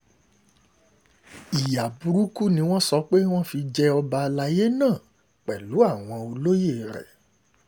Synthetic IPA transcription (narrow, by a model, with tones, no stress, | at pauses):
i˨ja˨bu˧ɾu˦ku˦nĩ˧˦w̃ɔ̃˦sɔ˨˧˦k͡pe˦w̃ɔ̃˦fi˧d͡ʒɛ˧ɔ˧ba˧la˧je˦nãː˦˨ | k͡pɛ˨lu˨˦a˦˨w̃ɔ̃˧o˧lo˦je˦˨ɾɛ̰˨